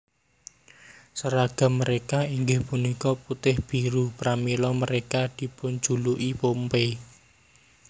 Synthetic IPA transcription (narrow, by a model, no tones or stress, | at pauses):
səɾaɡ̥a̤məɾekaiŋɡɪhpunikɔput̪ɪhb̥i̤ɾupɾamilɔməɾekad̪̥i̤pʊn̥d͡ʒ̥uluʔipompe